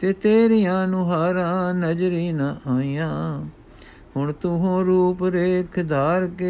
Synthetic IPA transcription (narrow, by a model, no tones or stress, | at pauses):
t̪eːt̪eːɾɪjãːnũːɦaːɾãːnəd͡ʒɾiːnãːaːiːjãː | ɦʊɳt̪ʊɦõːɾuːpɾeːkʰd̪aːɾke